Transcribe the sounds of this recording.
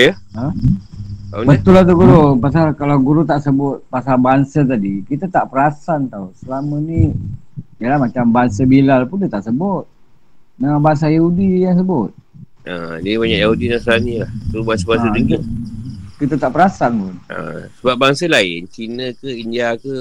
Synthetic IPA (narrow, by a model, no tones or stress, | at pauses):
jə | ə | abət̪ʊlat̪̬uɡuɾupas̬alkalawɡuɾut̪aʔsəbʊt̪̚pasalbaŋsət̪̬adikit̪ət̪aʔpəɾasant̪ausəlaməni | dəlahmat͡ʃambaŋsəbilalpundit̪aʔsəbʊt̪̚ | naabaaŋs̬ajahudijaŋs̬əbʊt̪̚ | ʔə̰dibaɲaʔjaɦudinaslanilahtubaŋsabaŋsədəŋɡi | kit̪ət̪aʔpəɾasanʊnə̰səbap̚baŋsəlaɪ̰nt͡ʃinə̃kəindiakə